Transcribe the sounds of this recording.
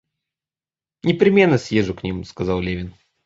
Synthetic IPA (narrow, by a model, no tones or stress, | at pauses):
nʲɪpɾʲɪmʲe̞nːəsʲjeʐʊknʲimskɐzɑlˠlʲevʲɪn